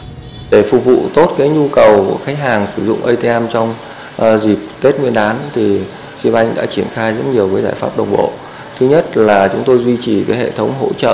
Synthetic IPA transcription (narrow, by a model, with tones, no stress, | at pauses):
ɗe˧˩fʊ˨˩k̚vṵ˧˨t̪o˦˥t̚kaː˨˦jɲu˧kə˨˩wku˧˩əxa˨˦ŋ̟ɦaː˨˩ŋsɨ˧˩zʊ̰˧˨ŋ͡mʔə˧jt̪e˧ʔɛ˧mt͡ɕɔ˧wŋ͡m | zi˨˩p̚ke˦˥t̚ŋwi˧ənʔaː˨˦nt̪ʰi˨˩ | si˧mʔa˧jŋ̟ɗa̰ː˧˥t͡ɕi˧˩ənxaː˧jzə˦˥t̚ɲi˨˩əwvəː˨˦jzaː˧˩jfaː˦˥p̚ɗə˨˩wŋ͡mɓo̰˧˨ | t̪ʰɨ˨˦ɲə˦˥t̚laː˨˩t͡ɕʊ˨˦ŋ͡mt̪o˧jzwi˧t͡ɕi˨˩vəː˨˦jɦḛ˧˨t̪ʰə˨˦wŋ͡mɦo̰˧˥t͡ɕə̰ː˧˨